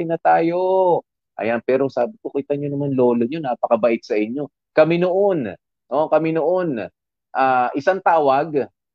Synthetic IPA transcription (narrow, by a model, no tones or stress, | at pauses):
jnɐt̪aːjo̞ | ʔɐ̰janpɛːɾo̞saːbɪkokiːt̪ɐɲonɐmanlo̞ːlo̞ɲonaːpɐkɐbɐʔɪt̪̚sɐʔɪɲːo̞ | kɐmɪnoʔo̞n | okɐmɪnoʔo̞n | ʔaːʔɪsaŋt̪aːwɐɡ̚